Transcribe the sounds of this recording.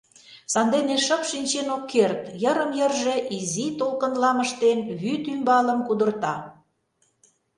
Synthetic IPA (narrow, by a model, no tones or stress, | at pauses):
sɑnd̪eneʃə̆pʃinʲt͡ɕenokːert̪jəɾə̆mjərʒe̽ʔizit̪olkə̆nlɑməʃt̪enβyt̪ymbɑlə̆mkud̪ərt̪ɑ